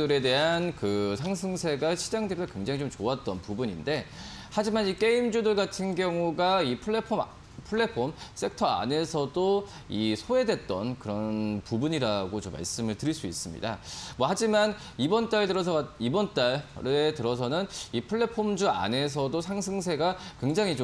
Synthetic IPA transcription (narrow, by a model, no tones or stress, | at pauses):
ɯɾe̞de̞ɦankɯsʰaŋsʰɯŋsʰe̞ɡaɕʰid͡ʑaŋdɯiakwe̞ŋd͡ʑaŋit͡ɕomt͡ɕoat͈ʌnpubuɲinde̞ | had͡ʑimanik͈e̞imd͡ʑudɯɭɡatʰɯnɡjʌŋuɡaipʰuɭepʰo | pʰuɭːe̞pʰoms͈e̞ktʰʌa̰ne̞sʰʌdo | isʰoe̞dwe̞t̚t͈ʌnkɯɾʌnpubuɲiɾaɡot͡ɕomːa̰ɭs͈ɯmɯɭtɯɾiɭs͈uḭs͈ɯmɲḭda̰mwʌhad͡ʑiman | ibʌnt͈aɭdɯɾʌs̬ʰʌibʌnt͈aɭɾetɯɾʌs̬ʰʌnɯnipʰɯɭːe̞pʰomd͡ʑua̰ne̞s̬ʰʌdosʰaŋsʰɯŋs̬ʰe̞ɡakwe̞ŋd͡ʑaŋit͡ɕo